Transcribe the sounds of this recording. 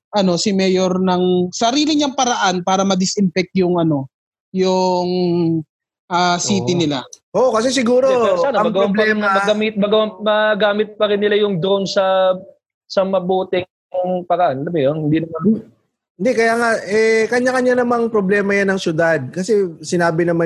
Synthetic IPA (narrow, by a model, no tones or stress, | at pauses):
ʔɐno̞sɪmɛːjoɾnɐŋsɐɾiːlɪɲɐŋpɐɾɐʔanpaːɾɐmɐd̪ɪsʔɪnfɛk̚t̪̚jʊŋʔɐno̞ | jʊŋ | ʔaːsiːt̪ɪnɪlaʔoʔokɐs̬ɛs̬ɪɡuːɾoɛsaːnɐmɐɡɐwmlɐɛmɐɡɐmit̪̚mɐɡmɐɡaːmɪt̪̚pɐɾɪnːɪlajʊŋd̪oʔonsɐ | sɐmɐbuːt̪ɪ | pɐɾɐʔanʔɐlɐmojonhɪnd̪inɐma | ɪnd̪ɛkɐjaːŋaʔɛkɐɲakɐɲanɐmaŋpɾoblɛːmɐjanːɐŋsjʊd̪ad̪̚kɐsɛsɪnaːbɪnɐma